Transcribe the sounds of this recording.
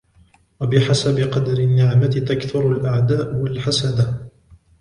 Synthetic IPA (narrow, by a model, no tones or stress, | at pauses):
wabɪħasabɪqɑd̪aɾɪnːɪʕmat̪ɪt̪akθʊɾalʔaʕd̪aːʔwalħasad̪a